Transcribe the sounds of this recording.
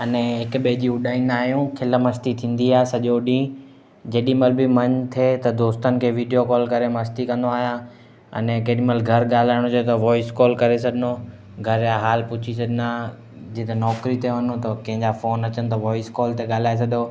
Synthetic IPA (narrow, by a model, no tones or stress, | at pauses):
ɐnɛɦɪkɓeːd͡ʑiʊɗaːĩnaːɦijũkʰɪləmɐst̪it̪ʰĩːn̆d̪iaːesɐʄoɗĩː | d͡ʑɐːɗĩmɐlbɪmɐ̃ɲt̪ʰeːt̪ɐd̪oːst̪ənɪ̆kʰeːʋiːɖijokɔːlkɐɾemɐst̪ikɐ̃nd̪oaːɦijãː | ɐ̰nɛkɐɗĩməlɡʱɐɾɠaːl̤aːɪɽ̃õd͡ʑot̪ɐʋɔːɪskɔːlkɐɾesɐd̪ʱɪno | ɡʱɐɾjãɦaːlpʊt͡ɕʰisɐd̪ʱɪnaː | d͡ʑit̪enɔːkɾit̪eʋɐnot̪ɐkɐ̃ɦɪ̃ɲd͡ʑafoːnɐt͡ɕənɪ̆t̪ɐʋɔːɪskɔːlt̪eɠaːl̤aːes̬ɐd̪o